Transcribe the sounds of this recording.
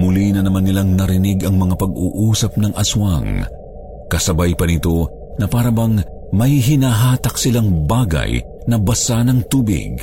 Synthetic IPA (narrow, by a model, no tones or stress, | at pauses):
mʊlinɐnɐmanːɪlaŋnɐɾɪniɡɐŋmɐŋapɐɡṵːʔuːsɐp̚nɐŋʔɐswɐŋ | kɐsɐbajpɐnɪt̪o̞ | nɐpaːɾɐbɐŋ | mɐjɦɪnaːɦaːt̪ɐksɪlaŋbaːɡɐ̰j | nɐbɐsanɐŋt̪uːbɪ̰ɡ